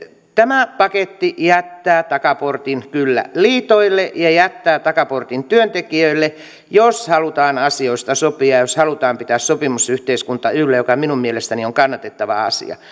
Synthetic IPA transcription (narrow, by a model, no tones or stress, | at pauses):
t̪æmæpɑket̪ːijæt̪ːæːt̪ɑkɑport̪inkylːæ̰liːt̪oilːeʔjɑjæt̪ːæːt̪ɑkɑport̪int̪yønt̪ekiøilːe | joshɑlut̪ɑːnɑsioist̪ɑsopiɑjjoshɑlut̪ɑːmpit̪æːssopimusyht̪eiskunt̪ɑylːæjokɑminummielest̪ænioŋkɑnːɑt̪et̪ːɑʋɑ̰ɑ̰sḭɑ̰